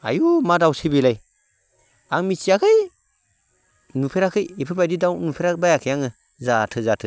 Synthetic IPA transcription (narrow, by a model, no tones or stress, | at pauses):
a̰jumadawsibilaj | aŋmisijakʰɯj | nupʰeɾakʰɯjepʰɯbajdidawnupʰeɾabajakʰɯjaŋɯ | zatʰɯzatʰɯ